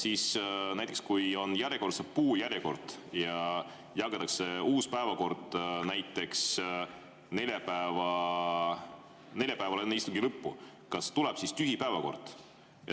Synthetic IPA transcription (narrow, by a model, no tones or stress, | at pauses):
siːsnæjt̪ːˑekskujo̞njæɾjeko̞ɾsepuːjæɾjeko̞rd̪̥jɑ | jɑɡet̪ːˑɑkse̞uːspæevɑko̞rd̪̥næjt̪ːˑe̞ks | ne̞lʲjɑpæevɑ | ne̞lʲjɑpæevɑleenːeist̪uŋɡilɤpːu | kɑst̪ulɛb̥sist̪yɦipæevɑko̞̰rd̪̥